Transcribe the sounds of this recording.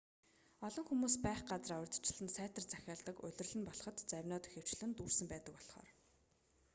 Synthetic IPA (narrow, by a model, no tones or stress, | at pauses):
ɔɮɞ̆ŋxumuːspæːχɢat͡sərawrʲt̪̆ʰt͡ɕɪɮɘ̆nsæːt̪ə̆rt͡sæxʲaːɮt̪ə̆kʊ̰ɮʲɪ̆rɮɘ̆npɔɮɞ̆χɞ̆t̪t͡sæwʲnɔːt̪ɵ̥xʲew̥t͡ɕɮɘ̆nt̪uːrsɘ̆mpæːt̪ə̆kpɔɮχɔ̰ːr